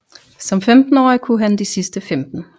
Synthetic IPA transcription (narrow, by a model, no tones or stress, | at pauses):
sɒ̽mfemd̥n̩ɒ̰ːjkʰuɦænd̥isisd̥əfemd̥n̩